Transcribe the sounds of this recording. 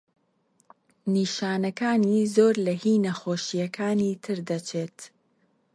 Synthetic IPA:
niːʃaːnɐkaːniːzoːɾlɐhiːnɐxoːʃijɐkʰaːniːt̪ʰɨɾd̪ɐt͡ʃʰeːt̪

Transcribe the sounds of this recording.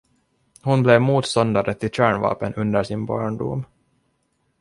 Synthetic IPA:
hʊnblɛvmuːt̪st̪ɔnd̪aɾət̪ʰːɪɕæːɳvɑ̰ːpənɵnd̪əʂɪnbɑ̰ːɳɖṵm

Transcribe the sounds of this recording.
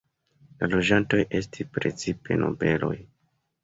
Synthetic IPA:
lalo̞d͡ʒanto̞jʔe̞s̬tʰispɾe̞t͡sipe̞̰nʔo̞̰be̞lo̞̰j

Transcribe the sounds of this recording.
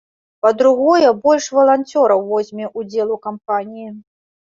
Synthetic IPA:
pɐd̪ɾuɣɔjɛbɔlʲʂvɐlˠanʲt͡sʲɔɾɐwvɔzʲmʲɛʔud͡zʲɛlˠukamp̚anʲiji

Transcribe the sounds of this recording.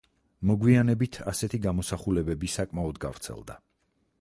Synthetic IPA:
mɔɡwianɛbit̪ʰasɛt̪ʰiɡamɔsaχulɛbɛbisakʼmaɔd̪ɡa̰vɾt̪sʰɛ̰lˠd̪a̰

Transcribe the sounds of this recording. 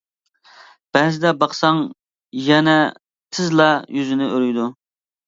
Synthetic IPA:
b̥ɛːzɪd̪ɛbɑχsɑŋ | jɛnɛ | t̪ʰɪzlˠɑjyzɪnɪʔøɾyjd̪u

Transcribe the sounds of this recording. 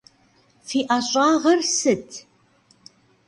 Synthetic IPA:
fiːʔaɕʼaːʁɐrsɨtʰ

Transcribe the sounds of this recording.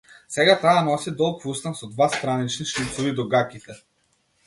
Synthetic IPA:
sɛɡat̪aːnɔsid̪ɔlˠkvust̪ansɔd̪vast̪ɾanit͡ʃniʃit̪sɔvid̪ɔɡakit̪ɛ

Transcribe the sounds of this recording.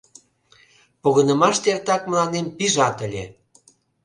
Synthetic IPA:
poɣə̆nə̆mɑʃt̪ert̪ɑkməlɑnempiʒɑt̪əlʲḛ

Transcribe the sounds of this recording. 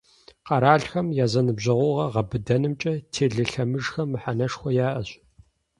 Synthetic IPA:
qɑɾaːɬxɐmjaːzɐnɨbʑɐʁʷʊʁɐʁɐbɨdɐnɨmt͡ʃʼɐtʰeːɮɨɬɐmɨʐxɐmːɨħanɐʂxʷɔjaːʔɐɕʼ

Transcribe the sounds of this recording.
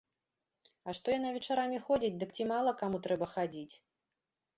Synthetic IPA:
ɐʂt̪ɔjanavʲɛt͡ʂaɾamʲixɔd͡zʲit͡sʲd̪ɨkt͡sʲimalˠɐkamut̪ɾɛbɐxad͡zʲit͡sʲ

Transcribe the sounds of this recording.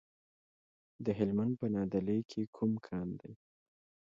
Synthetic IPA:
d̪əɦɪlmand̪̚pənɑd̪alejkʰekʰumkʰɑnd̪aj

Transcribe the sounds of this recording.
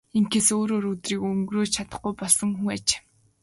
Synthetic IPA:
iŋkesoːɾoːɾɵt̪riːkɵŋɡroːt͡ɕʰat̪ə̆χɡujpɔɮsɞ̆ŋxuŋat͡ɕe̥

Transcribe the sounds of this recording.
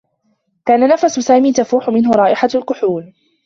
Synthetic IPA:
kaːnanafasʊsaːmiːt̪afuːħʊmɪnɦʊɾˤɑːʔɪħalkʊħuːl

